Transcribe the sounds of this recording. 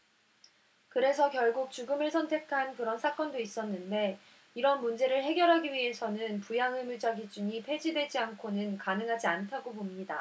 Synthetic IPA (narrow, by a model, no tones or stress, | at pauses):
kɯɾe̞sʰʌkjʌɭɡuk̚t͡ɕuɡɯmɯɭsʰʌntʰe̞kʰankɯɾʌnsʰak͈ʌndois͈ʌnːɯnde̞ | iɾʌnmund͡ʑe̞ɾɯɭɦe̞ɡjʌɾɦaɡiɥiɦe̞sʰʌnɯnpujaŋɯmɭd͡ʑaɡid͡ʑuɲipʰe̞d͡ʑidwe̞d͡ʑiankʰonɯnkanɯŋɦad͡ʑiantʰaɡobomɲida